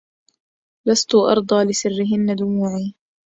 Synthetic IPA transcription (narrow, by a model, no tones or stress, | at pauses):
last̪ʊʔɑ̰ɾˤd̪ˤɑːlɪsɪrːɪɦɪnːad̪ʊmuːʕiː